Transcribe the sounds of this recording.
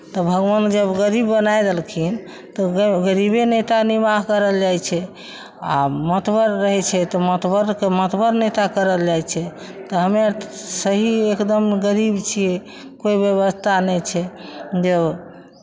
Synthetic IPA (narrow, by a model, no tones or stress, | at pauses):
t̪ɔbʱəɡʋand͡ʒəbɡəɾibːənajd̪elkʰin | t̪ɔɡəɾibenet̪animaɦkəɾəld͡ʒajt͡ʃʰɛ | a̰mət̪bəɾːəɦɛt͡ʃʰɛt̪ɔmət̪bəɾkemət̪bəɾnet̪akəɾəld͡ʒajt͡ʃʰɛ | t̪ɔɦəmesəɦiekd̪əmɡəɾibt͡ʃʰiɛ | koibjəβəst̪ʰanɛt͡ʃʰɛd͡ʒəb